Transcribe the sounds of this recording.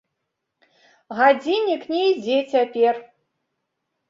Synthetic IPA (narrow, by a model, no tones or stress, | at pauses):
ɣad͡zʲinʲiknʲɛid͡zʲɛt͡sʲapʲɛr